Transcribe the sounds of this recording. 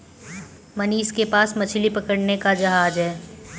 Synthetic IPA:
mɐniːskepaːsmɐt͡ʃʰlipɐkəɽnekad͡ʒɐɦaːd͡ʒɦɛː

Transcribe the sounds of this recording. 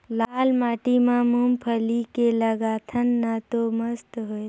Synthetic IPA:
laːlmaːʈimãmumpʰəlikeləɡaːt̪ʰənːat̪oməst̪ɦoj

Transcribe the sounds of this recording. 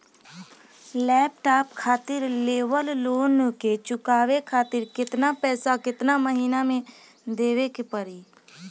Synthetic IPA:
lɛːpʈaːpkʰaːt̪ɪɾleːwəlloːnket͡ʃʊkaːwekʰaːt̪ɪɾkɪt̪napɛːsakɪt̪naməɦiːnamẽ | d̪eːʋekepəɾiː

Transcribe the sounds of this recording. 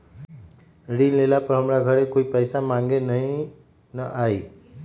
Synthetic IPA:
ɾinlelapɾʌɦəmɾaɡʱʌɾekoipəjsamaŋɡenʌɦĩ | nʌʔaj

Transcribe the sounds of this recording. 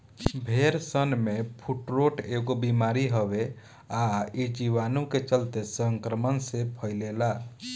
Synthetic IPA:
bʱeɾsənmepʰuʈɾoʈeɡobimaɾiɦəbe | aid͡ʒiʋanuket͡ʃəlt̪esəŋkɾəmənsepʰəɪlela

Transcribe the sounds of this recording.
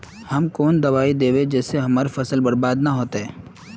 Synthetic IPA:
hɐmkoːnd̪ɐʋaːid̪eːʋed͡ʒɛːseɦɐmaːɾefɐsəlbɐɽbaːd̪naɦoːt̪eɦɛː

